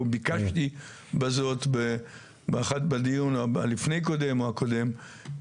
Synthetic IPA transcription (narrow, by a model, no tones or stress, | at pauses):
bikaʃti | bazo̞t̪be | beaχatbad̪ijuna̰lifnejko̞d̪emoakod̪e̞m